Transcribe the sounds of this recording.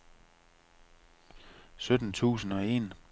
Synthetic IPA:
sød̥n̩t͡sʰṵːsn̩ɒ̽e̝n

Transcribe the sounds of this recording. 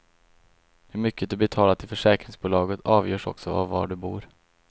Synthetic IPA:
hɵɾmʏkːəd̪ɵbɛt̪ʰɑːlat̪ʰɪlfœʂɛːkɾɪŋsbuːlɑːɡət̪ʰɑːvjœːʂɔ̰ksɔa̰vːɑ̰ɖɵbṵːɾ

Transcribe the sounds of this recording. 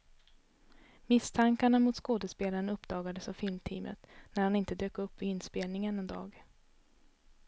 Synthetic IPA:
mɪst̪ʰaŋkaɳamʊt̪skoːd̪əspeːlaɾənɵpːd̪ɑːɡad̪əsɑvfɪlmt̪ʰiːmə̰t̪næɾhanɪnt̪əd̪øːkɵpːvɪɪnspeːlnɪŋənɛnd̪ɑ̰ːɡ

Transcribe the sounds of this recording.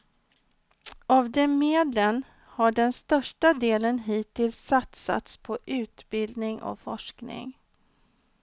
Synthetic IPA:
avd̪ɛmeːd̪lən | haɖɛnst̪œʂʈad̪eːlənɦiːt̪ʰɪlsːat̪sa̰t̪spʰɔʔʉ̟ːt̪bɪld̪nɪŋɔ̰fɔʂknɪ̰ŋ

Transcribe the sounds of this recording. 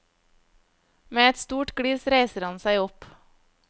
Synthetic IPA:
meːɛt̪st̪uːʈɡ̥ɽiːsɾeɪsəɾhɑnsæɪɔp

